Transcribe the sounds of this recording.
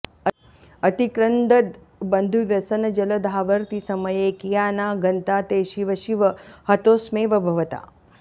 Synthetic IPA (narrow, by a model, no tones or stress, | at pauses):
ɐt̪ikɾɐnd̪ɐt̪ | bɐnd̪ʱuʋjɐsɐnɐd͡ʒɐlɐd̪ʱaːʋɐɾt̪isɐmɐjeːkijaːnaːɡɐnt̪aːt̪eːʃiʋɐʃiʋɐhɐt̪oːsmeːʋɐbʱɐʋɐt̪a̰ː